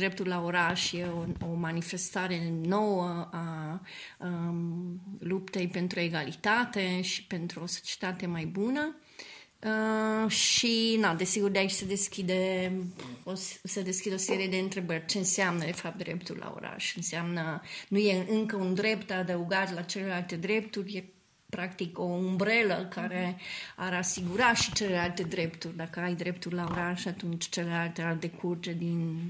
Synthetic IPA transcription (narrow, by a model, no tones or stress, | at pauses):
d̪ɾep̚t̪ulaoɾaʃjeoomanife̞st̪aɾe̞no̞wəa | lupt̪ejpe̞nt̪ɾueɡalit̪at̪e̞ʃi̥pe̞nt̪ɾuo̞so̥t͡ʃe̥t̪at̪e̞majbunə | əʃinad̪e̞siɡurd̪eait͡ʃʲsəd̪e̞skʲid̪e | ossəd̪e̞skʲid̪eoseɾijed̪e̞ɨnt̪ɾe̞bərʲt͡ʃe̞ɨnseamnəd̪e̞fap̚t̪̚d̪ɾep̚t̪urʲla̰o̰ɾa̰ʃɨnseamnənuje̞ʔɨŋkəund̪ɾe̞pt̪ad̪əuɡat̪lat͡ʃelelalt̪e̞d̪ɾe̞p̚t̪urʲje | pɾakt̪iko̞umbɾeləkaɾe̞aɾasiɡuɾaʃi̥t͡ʃelelalt̪e̞d̪ɾe̞pt̪urʲd̪akəajd̪ɾe̞pt̪urʲlaoɾaʃat̪unt͡ʃʲt͡ʃe̞lelalt̪ealt̪e̞kʰurt̪ed̪in